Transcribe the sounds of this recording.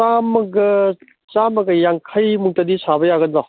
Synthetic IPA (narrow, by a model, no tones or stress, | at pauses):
amɐɡɐ | t͡ʃamɐɡɯjaŋkʰajmuŋtadisabɐjaɡɐndɔ